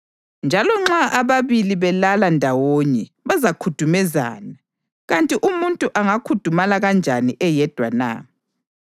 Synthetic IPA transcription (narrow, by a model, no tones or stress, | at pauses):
nd͡ʒʱalɔŋ͡ǁaʔaβaβiliβɛlalandʱawoɲɛ | βazakʰutʰumɛza̰ːna | ɣantʼiʔumuntʼuʔaŋakʰud̥ʱumalaɣand͡ʒʱaniʔɛjɛd̥ʱwa̰na̰